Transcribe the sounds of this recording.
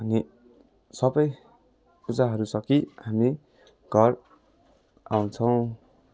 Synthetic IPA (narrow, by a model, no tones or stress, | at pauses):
ʌni | sʌbʌj | ud͡zaɦʌɾusʌkiɦami | ɡʱʌɾ | aw̃t͡sʰʌw̃